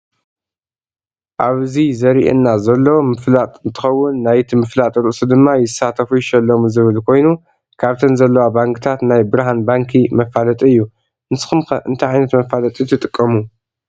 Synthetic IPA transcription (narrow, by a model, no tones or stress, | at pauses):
ʔaβzizɐɾiʔḛnːazɐlːɐwomɨflat̪ʼɨnt̪ʰɨ̥xɐwːʊnːajt̪ʰimɨflat̪ʼɾɨʔsud̪ɨmːajɪsːat̪ʰɐfuʃɐlːomuzɨβɨlkʰo̞jnu | kʰaβt̪ʰɐnzɐlːɐwabaŋkʰɨt̪ʰat̪najbɨɾaɦanbaŋkʰimɐfalɐt̪ʼiɨjːu | ʔɨnsɨ̥xɨmxɐʔɨnt̪ʰɐʕajnɐt̪mɐfalɐt̪ʼit̪ʰɨt̪ʼɨkʼːɐmu